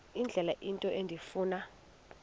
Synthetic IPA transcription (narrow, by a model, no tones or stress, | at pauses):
ind͡ɮʱɛlaʔintʼɔʔendʱifuːna